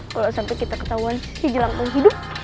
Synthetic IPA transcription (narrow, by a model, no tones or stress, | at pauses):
kalosampɛjkit̪akə̥t̪auan | sid͡ʒəlaŋpuŋɦidʊp̚